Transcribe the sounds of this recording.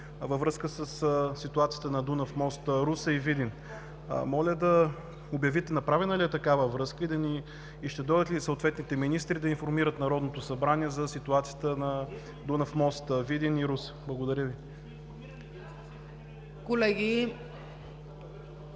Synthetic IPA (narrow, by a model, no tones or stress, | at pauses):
vəvɾɤskəsəssit̪uat̪sijət̪ənɐd̪unɐfmɔst̪ɾusəivid̪in̰ | mɔlʲəd̪ɐ | objɐvit̪ɛnɐpɾavɛnəliɛt̪ɐkavəvɾɤskəid̪ɐniː | ʃt̪ɛd̪ɔd̪ət̪lʲisəot̪vɛt̪nit̪ɛminist̪ɾid̪ɐinfoɾmiɾət̪nɐɾɔd̪not̪osɐbɾanʲiɛzɐsit̪uat̪sijət̪ənɐ | d̪unɐfmɔst̪vid̪iniɾusblˠɐɡod̪ɐɾʲəvi | kolɛɡʲi